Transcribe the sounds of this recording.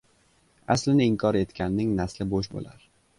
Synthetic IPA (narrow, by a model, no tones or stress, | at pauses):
a̰slɪnɪɪŋkʰɒɾe̞t̪kʲʰanːɪŋnaslɪboʃbo̰laɾ